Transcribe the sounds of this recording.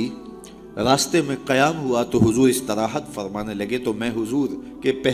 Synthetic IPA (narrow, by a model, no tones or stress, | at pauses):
i | ɾaːst̪emẽqɐjaːmɦuat̪oɦʊzuːɾɪst̪ɪɾaːɦət̪fɐɾmaːnelɐɡet̪omɛ̃ːɦʊzuːɾ | kepɛɦ